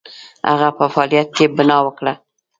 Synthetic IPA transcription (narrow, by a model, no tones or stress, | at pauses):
ha̰ɣapəfɑlijat̪̚kebənɑwəkɽa